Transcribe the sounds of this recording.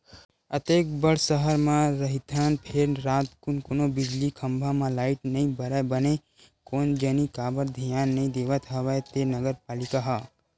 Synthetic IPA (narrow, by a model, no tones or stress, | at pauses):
ət̪eːk̚bəɽsəɦəɾmãɾəɦit̪ʰənpʰeɾɾaːt̪kʊnkonobɪd͡ʒlikʰə̃mbʱamãlaːɪʈnəɦĩbəɾəbəne | koːnd͡ʒənikaːbəɾd̪ʱijaːnːɐĩd̪eːʋət̪ɦəʋəet̪enəɡəɾpaːlɪkaɦaː